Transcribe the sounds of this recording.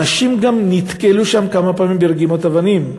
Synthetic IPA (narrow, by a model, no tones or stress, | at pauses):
aʃimɡamnit̪keluʃamkamapaːmimbiʁɾɡimot̪avanim